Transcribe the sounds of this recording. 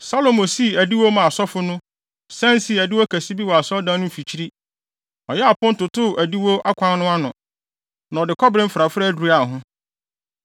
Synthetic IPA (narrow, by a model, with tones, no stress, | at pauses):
sa˦lo˨mõ˨si˦˨æ˨di˦wo˦mã˨a˨sɔ˦fʊ˦nʊ̃˦ | sɛ̃˦n˦si˨æ˨di˦wɔ˦kʰæ˨si˦bi˦wɔ˨a˨sɔ˦dã˦nʊ̃˦˨fi˨t͡ɕʰi˦ɾi˦ | ɔ˨jɛ˦a˨pʊ̃˦n̩˦tʊ˨tʊ˦˨ʔæ˨di˦wo˦ʔa˦kʰʷã˦n˦nʊ̃˦a˦nʊ̃˨ | nã˨ɔ˨dɪ˨kʰɔ˦bɾɪ̃˦m̩˦fɾa˨fɾɛ˦æ˦dɾu˨˦a˨ɦʊ̃˦